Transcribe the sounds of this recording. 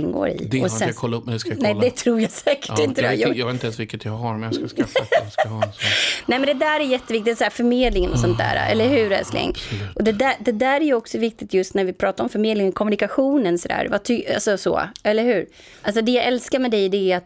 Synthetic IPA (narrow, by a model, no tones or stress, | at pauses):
nːɡo̰ːɾɪ̰d̪ɛɔsɛjakʰɔlːaɵpːmɛnd̪ɛsknɛd̪ɛt̪ʰɾuːɾjasɛːkə̥ɪnt̪əɛjjɑːɡvet̪nɛnsvɪlkːət̪jaɦaɾmɛjaskaskf | nɛmɛnd̪ɛd̪æːɾæɾjɛt̪ːəvɪk̚t̪ɪsæːɾfœɾmeːd̪lɪŋənɔsɔnt̪̚d̪æ̰ːɾa̰ʔɛ̰lːəɾɦʉ̟ːɾɛ̰slɪ̰ŋːʔɔd̪ɛd̪æd̪ɛd̪æːɾæjɵɔksɔvɪk̚t̪ɪt̪jɵst̪næɾvɪpʰɾɑːt̪aɾɔmfœɾmeːd̪lɪŋənkʰɔmːɵnɪkaɧuːnənsɔd̪æ̰ːɾvat̪ʰʏa̰lsɔsɔ̰ɛlːəɾhʉ̟ːɾ | ʔals̬ɔd̪ɛjaɛlskaɾmɛd̪ɛjd̪ɛːat̪